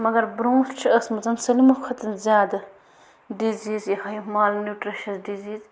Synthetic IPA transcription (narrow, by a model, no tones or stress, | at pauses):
mɐɡɐɾbɾõːnst͡ʃʰiɐsmɐt͡sɐnsɐlimukʰɐt̪ɐnzʲjaːd̪ɐ | ɖiziːzjɐhɐjmaːlnuːʈɾiʃɐsɖiziːz